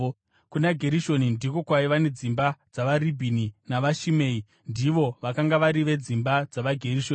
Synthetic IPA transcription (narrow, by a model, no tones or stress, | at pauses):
kunaɡʱe̞ɾiʃo̞nindiko̞kwaiʋane̞d͡zimbad͡zaʋaribʱininaʋaʃime̞ːi | ndiʋo̞ʋakaŋɡaʋaɾiʋe̞d͡zimbad͡zaʋaɡʱe̞riʃo̞ːn